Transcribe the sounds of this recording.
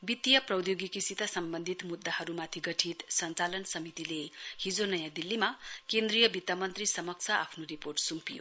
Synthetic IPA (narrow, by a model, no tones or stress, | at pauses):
bit̪ːijʌprʌwd̪joɡikisit̪asʌmbʌnd̪ʱit̪mud̪ːahʌɾumat̪ʰiɡʌʈʰit̪sʌnt͡salʌnsʌmit̪ilehid͡zonʌjãd̪ilːimakend̪ɾijʌbit̪ːamʌnt̪risʌmʌk̚t͡sʰʌapʰnoɾiporʈsumpijo̰